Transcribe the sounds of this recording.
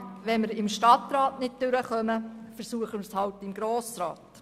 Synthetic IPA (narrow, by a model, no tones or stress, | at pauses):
ʋɛnməɾɪmʃtɑtɾɑːtnɪt̚tʏɾəχœməfəɾsuəχəmərshɑwtɪmɡɾoːsɾa̰ːt